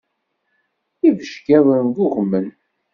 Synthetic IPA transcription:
ivəʃkæðənɡuʁəmːən

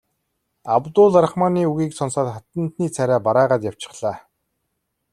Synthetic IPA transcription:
awt̪ʊːɮaɾəχmaːniːuɣiːksɔnsaːt̪χat̪ə̆nt̪niːt͡sʰæɾʲæːpaɾaːʁaːt̪jaw̥t͡ɕɪ̥̆χɮ̥aː

